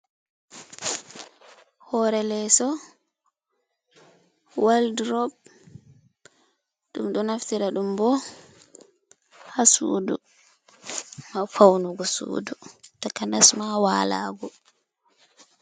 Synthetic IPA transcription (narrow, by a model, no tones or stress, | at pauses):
hɔɾɛlɛsɔ | waldɾɔb̚ | ɗumɗɔnaftiɾaɗumbɔ | hasṵːdu | mafawnuɡɔsṵːdutakanasmawaːla̰ːɡɔ